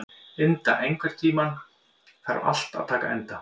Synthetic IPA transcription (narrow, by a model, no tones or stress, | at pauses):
ɪnt̪a̰ʔejŋkvɛɾ̥t̪ʰiːman | θa̰ɾa̰l̥t̪a̰ð̥t̪ʰaːkaɛnt̪a